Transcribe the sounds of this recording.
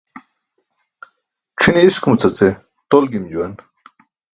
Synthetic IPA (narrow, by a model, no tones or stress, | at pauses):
ʈ͡ʂʰiniiskumut͡sɐt͡se | t̪olɡimd͡ʑuwen